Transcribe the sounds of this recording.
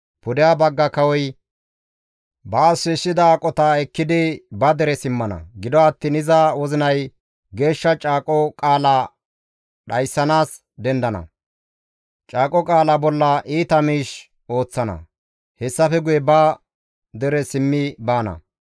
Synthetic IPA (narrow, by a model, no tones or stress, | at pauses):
pʊd̪ɪjaːbɐɡːɐkɐwɔj | bɐːsːɔsːɪd̪ɐːkʼɔt̪ɐɛkːɪd̪ɪbɐd̪ɛɾɛsɪmːɐnɐ̰ɡɪd̪ɔɐt̪ːiːnɪzɐwɔzɪnɐj | ɡe̞ːʃːɐt͡ʃʼaːkʼɔkʼaːla | ɗɐjsːɐnaːs | d̪ɛnd̪ɐnɐ̰ | t͡ʃʼaːkʼɔkʼaːlabɔlːɐʔiːt̪ɐmiːʃ | o̞ːt͡sːɐnɐ̰ | hɛsːɐfɛɡʊjɛbɐ | d̪ɛɾɛsɪmːɪbaːnɐ̰